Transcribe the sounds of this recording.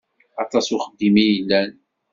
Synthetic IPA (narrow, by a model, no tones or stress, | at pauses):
ɑt̪ˤɑsʊχəd̪ːimijəlːæn